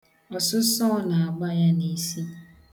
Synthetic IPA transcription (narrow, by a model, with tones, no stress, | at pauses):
ɔ˨sʊ˦sɔ˦na˨a˨ɡ͡ba˦ja˦ne˨si˦